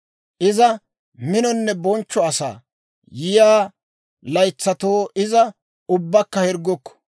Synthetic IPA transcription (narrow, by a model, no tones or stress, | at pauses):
ʔɪzɐ | mɪnɔnːɛbɔnt͡ʃːɔɐsa̰ː | jɪjaː | lɐjt͡sːɐt̪oːɪzɐ | ʊbːɐkːɐhɛɾɡɔkːɔ̥